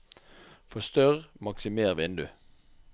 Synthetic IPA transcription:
fɔst̪œʁmɑksɪmeːʁʋɪnd̪ʉ

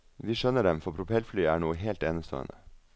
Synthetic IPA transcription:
ʋiːʃœnəɖɛmfɔpʰɾʊpʰɛlflyːəæːɳoːəɦeːlt̪eːnəst̪ʰo̰ːə̰nə

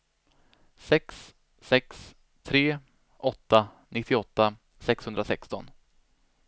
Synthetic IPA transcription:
sɛksː | ɛks | t̪ʰɾeː | ʔɔt̪ːa | nɪt̪ʰːɪɔt̪ːa | sɛkshɵnd̪ɾasɛkst̪ɔ̰n

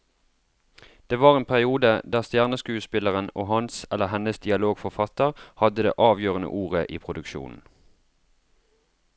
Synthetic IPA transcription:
d̪̥eːʋɑːʁeːnpʰæʁɪuːd̪əd̪æːʁst̪jæːʁnəskʉːəspɪləʁənoːhɑnsɛləʁhɛnəsd̪ɪɑloːɡfɔʁfɑt̪əʁhɑd̪əd̪ḛːʔɑːʋjøːʁənə̰ʔuːʁəʔiːpʰʁʊd̪ʉkʃṵːnn̩

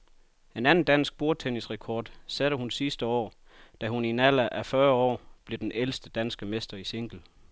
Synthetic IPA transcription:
e̝nænn̩d̥æn̰sɡ̥̚b̥o̝ɐt͡sʰenisʁɛkʰɒːd̥sæɾ̥əhunsisd̥əɒ̰ː | d̥æɦuninælæʔæfɶɐɒ̰ːb̥le̝d̥enelsd̥əd̥ænsɡ̥əmesd̥ɐiseŋ̰ɡ̥l̩

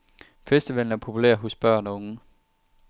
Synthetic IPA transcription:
fesd̥əʋeln̩æɐpʰo̝pʰulæ̰ɐ̰ɦosb̥ɶɐ̰nɔ̽ŋə

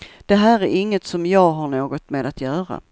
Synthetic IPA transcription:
d̪̥ɛɦæːɾæɾɪŋːət̪sɔmjɑːɡɦaɳoːɡɔt̪meːd̪at̪jœːɾa̰

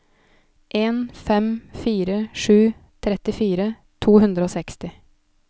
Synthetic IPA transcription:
ʔeːnfɛmfiːɾəʂʉː | t̪ʰɾɛt̪ɪfiːɾə | t̪ʰuːhʉnd̪ɾəoːsɛkst̪ɪ

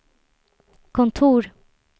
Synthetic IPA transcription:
kʰɔnt̪ʰuːɾ

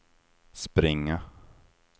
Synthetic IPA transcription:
spɾɪŋːa

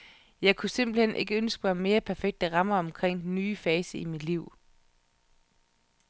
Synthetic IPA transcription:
jɑ̈ɪkʰusem̰b̥l̩henʔe̝ɡ̥əønsɡ̥əmɑ̈me̝ːɐpʰæɐfeɡ̥̚d̥ɑ̈ʁɑ̈mɐɒ̽mkʰʁeŋ̰d̥enyːfɛːsəimid̥liʊ̰

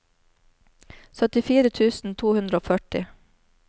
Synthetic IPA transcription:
sœt̪ɪfiːɾət̪ʰʉːsn̩t̪ʰuːhʉnd̪ɾəoːfœʈɪ̰

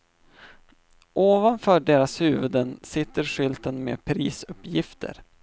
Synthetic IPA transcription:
ʔoːvanfœːɖeːɾashʉ̟ːvɵd̪ənsɪt̪ːəɾɧʏlt̪ənmḛːpʰɾiːsɵpːjɪft̪ʰə̰ɾ

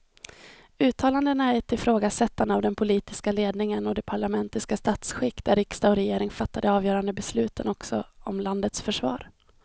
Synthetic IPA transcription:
ʉ̟ːt̪ʰɑːland̪ənaæʈ̪ʰɪlfɾoːɡasɛt̪ːand̪avd̪ɛnpʰʊliːt̪ɪskaleːd̪nɪŋənɔd̪ɛpʰaɭamɛnt̪ɪskast̪aːt̪sɧɪkːd̪æɾɪkst̪aɔɾɛjeːɾɪŋfat̪ːad̪əɑːvjœːɾand̪əbɛslʉ̟ːt̪ʰənɔksɔɔmland̪ət̪sfœʂvɑ̰ːɾ

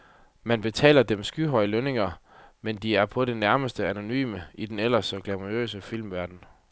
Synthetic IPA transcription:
mænb̥e̝t͡sʰɛ̰ːlɐd̥emsɡ̥yɦɒ̽ɪəløne̝ŋɐ | mend̥iæɐpʰɒ̽ɾe̝næɐməsd̥əæno̝ny̰ːməid̥enel̰ɐsɒɡ̥læmʁiø̰ːsəfil̰mʋæɐd̥n̩

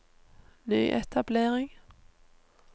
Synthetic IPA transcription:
nyːʔɛ̰t̪ʰableːɾɪŋ

